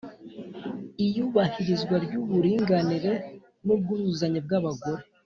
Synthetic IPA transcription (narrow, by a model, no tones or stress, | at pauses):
ijuːβahiɾizɡwaɾɟuβuɾiːŋɡaniɾe̞ | nub̚ɡuɾuzaɲeb̚ɡaβaɡo̞ɾe